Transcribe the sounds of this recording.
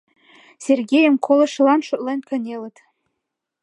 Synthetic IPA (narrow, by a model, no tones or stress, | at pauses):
sʲerɡʲejə̆mkʰolˠɤ̆ʃlˠɑnʃŏt̪ʼlenʲkɤ̆nʲelə̆t̪